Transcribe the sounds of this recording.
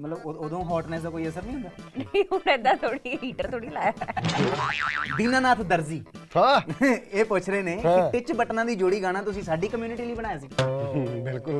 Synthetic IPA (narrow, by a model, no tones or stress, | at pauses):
mət̪ləbooːd̪õːɦɔːʈnaːɪsd̪aːkoːiːəsəɾnĩːɦʊ̃nd̪aːnəĩːɦʊnɪd̪aːt̪ʰoːɽiːɦiːʈəɾt̪ʰoːɽiːlaːjaː | d̪iːnãːnaːt̪ʰd̪əɾziːhãːeːpʊt͡ʃʰɾeːneːkɪt̪ɪt͡ʃbəʈnãːd̪iːd͡ʒoːɽiːɡaːnãːt̪ʊsĩːsaːɖiːkəmjuːnɪʈiːliːbəɽ̃aːjaːsiɡbɪlkʊl